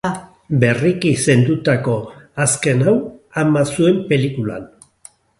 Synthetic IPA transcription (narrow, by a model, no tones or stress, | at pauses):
be̞rikise̞nd̪ut̪ako̞aske̞nawamasue̞mpe̞likula̰n